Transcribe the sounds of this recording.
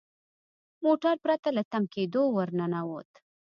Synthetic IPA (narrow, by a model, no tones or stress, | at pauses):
moʈaɾpɾat̪alat̪amked̪owəɾnanawot̪